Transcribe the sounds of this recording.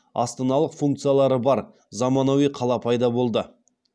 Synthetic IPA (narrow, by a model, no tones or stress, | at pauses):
ɑ̰st̪ɑnɑlˠəqfuŋk̚t̪sɨjalˠɑɾəbɑɾ | zɑmɑnowiqʰɑlˠɑpʰɑjd̪ɑbo̞lˠd̪ə